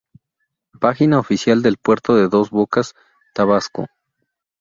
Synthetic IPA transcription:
paxinaofisjald̪e̞lpwe̞ɾt̪o̞ðe̞ðo̞zβokas | t̪aβasko̰

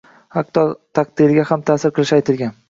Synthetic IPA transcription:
haq̚d̪ɒt̪ʰɑq̚d̪̥ɪɾɪɡʲahamt̪ʰaːsɪɾqʰɨlˠɪʃajt̪ʰɪlˠɡʲan

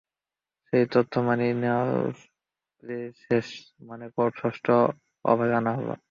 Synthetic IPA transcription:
ʃejt̪ɔt̪ʰːomaninewa̰ | leʃeʃ | manekoʈʃɔʃʈʰo | ɔ̰bʱad͡ʒanaɦɔ̰bo̰

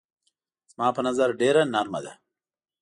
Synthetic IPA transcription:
zmɑːpənazaɾɖeɾanaɾmad̪a̰

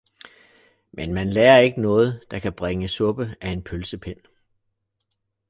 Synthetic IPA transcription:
menmænleːɐe̝ɡ̥ənɔ̽ːð̞̩ˠd̥ɑ̈kʰæb̥ʁeŋəsɔ̽b̥əæe̝npʰølsəpʰen̰

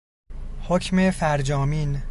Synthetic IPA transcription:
hocʰmefæɾd͡ʒɒːmiːn

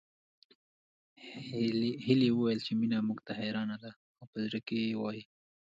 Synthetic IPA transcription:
hɪlewəwajəlt͡ʃeminamʊɡt̪aɦeɾɑnad̪a | awpəzɾəkejewɑji

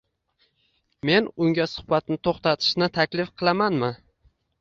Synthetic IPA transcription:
me̞nʊŋɡʲasʊ̥hbat̪nɪt̪ʰoχt̪ʰat̪ʰɪ̥ʃnɪt̪ʰakʲlɪfqʰɨlˠamanmɪ

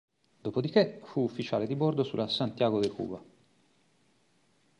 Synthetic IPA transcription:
d̪̥oːpod̪ik̟efuːfːit͡ʃaːled̪ibord̪osṵlasant̪jaːɡod̪ekṵːba

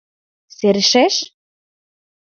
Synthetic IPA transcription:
seɾɘʃeʃ

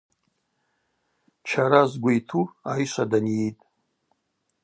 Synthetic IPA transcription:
t͡ʃʰaɾazɡʷaitʰuajʃʷadanjetʼ

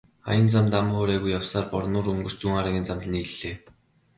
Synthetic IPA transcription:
χa̰jə̆nt͡samt̪am̆ːχoːɾæːɣujːawsaːrpɔrnʊːɾɵŋɡɵ̆r̥t͡ɕuŋaɾaːɣʲiːnt͡samt̪̆niːɮeː

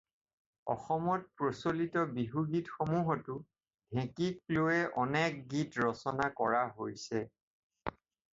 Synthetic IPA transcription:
ɔ̰xɔmɔt̚pɹosolitɔbiɦuɡitxomuɦɔtʊ | dʱɛ̃kik̚loɛʔɔnɛk̚ɡitɹɔsɔnakɔɹaɦojsɛ

